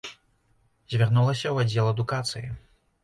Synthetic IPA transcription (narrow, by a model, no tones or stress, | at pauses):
zʲvʲarnulˠɐsʲɐwad͡zʲːɛlˠɐd̪ukat̪sɨji